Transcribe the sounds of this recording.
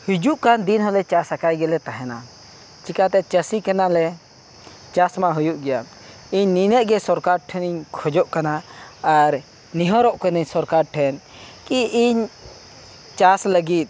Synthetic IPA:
hid͡ʒuʔkand̪inɦɔlɛt͡ʃasakajɡɛlɛt̪aɦɛna | t͡ʃikat̪ɛt͡ʃəsikanalɛ | t͡ʃasmaɦujuʔɡɛja | iɲninəʔ̚ˀɡɛsɔɾkaɾʈʰɛniɲkʰɔd͡ʒɔʔkanaaɾ | niɦɔɾɔʔkəniɲsɔɾkaɾʈʰɛn | kiiɲ | t͡ʃasləɡit̪̚

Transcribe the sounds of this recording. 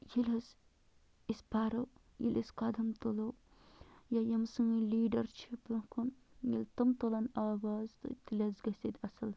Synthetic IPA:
jilɐs | ispaɾow | jḭlʔiskɐd̪ɐmt̪olo | jajɐmsɨŋiliːɖɐɾt͡ʃʰipɨkunjilt̪ɐmt̪olɐnaːwaːzt̪ɨ̰t̪ilʲɐzɡɐsid̪ʲɐsɐl

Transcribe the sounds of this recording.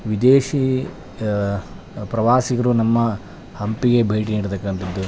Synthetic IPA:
ʋid̪eːʃi | pɾɐʋaːsiɡɐɾunɐmːɐ | hɐmpiɡe̞bʱe̞ːʈ̬iniːɽit̪ɐkːɐnt̪ɐd̪ːu

